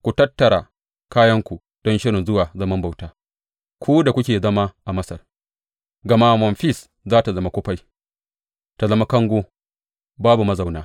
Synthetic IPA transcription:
kʷu˨tɐ˦tːɐ˨ɾa˨ | kaː˦jɐ˦ŋkʷu˨ | d̥ɔ˦nʃɪ˦ɽɪ˨nzʊ˦waː˨zɐ˦mɐ˦mba˨wtaː˦ | kʷu˦da˨kʷʊ˦kʲeː˨zɐ˦ma˦ʔa˨mɐ˦sɐ˨r | ɡɐ˨ma˦mɔ˨nɸi˦s | zaː˦ta˨zɐ˦ma˨˦kʷʊ˦ɸa˦j | ta˨zɐ˦ma˦kɐ˦ŋɡʷoː˦ | baː˦bu˨mɐ˦za˨wnaː˦

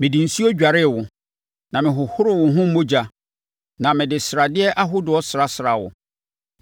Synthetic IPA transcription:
mɪ̃˨dĩ˨n̩˨si˦o˦d͡ʑᶣa˨ɾɪ˦˨wʊ˨ | nã˨mɪ̃˨ɦʊ˨hʊ˦ɾʊ˦˨wʊ̃˨ɦʊ̃˦m̩˦mõ˦d͡ʑa˨ | nã˨mɪ̃˨dɪ˨sɾa˨dɪ˦ɛ˦ʔa˦ɦʊ˦dʊ˨ɔ˦sɾa˦sɾa˨wʊ̰˨

